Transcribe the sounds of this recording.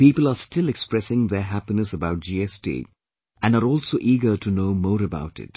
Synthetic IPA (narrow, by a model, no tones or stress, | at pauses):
piːpəlaːsʈɪlɛkspɾɛsɪ̃ŋd̪əɦæpinəsəbaʊʈ̚d͡ʒiɛstḭː | æ̃nɖaɾɔːlsoːʔiːɡəʈʰunoːmɔːɾəba̰ʊʈɪ̰t̚